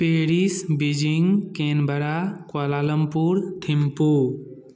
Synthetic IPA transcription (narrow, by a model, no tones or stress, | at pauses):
peɦɽiːsbid͡ʒiŋɡkẽːnbʱəɾaːkwaːlaːləmpuːɾt̪ʰɪmpuː